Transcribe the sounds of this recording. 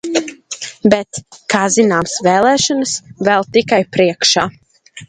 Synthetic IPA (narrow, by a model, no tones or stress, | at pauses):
bɛt̪kaːzinaːmsvɛːlˠɛːʃɔnəsvɛlˠt̪ikajpɾiɛkʃaː